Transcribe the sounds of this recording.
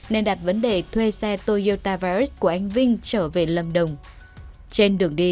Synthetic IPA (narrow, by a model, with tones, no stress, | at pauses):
ne˧nɗa˨˩t̚və˨˦nɗe˨˩t̪ʰwe˧sɛ˧t̪o˧jo˧t̪aː˧vaː˧ɹi˦˥ku˧˩əʔa˧jŋ̟vï˧ŋ̟t͡ɕəː˧˩ve˨˩lə˨˩mɗə˨˩wŋ͡m | t͡ɕe˧nɗɨ˨˩əŋɗi˧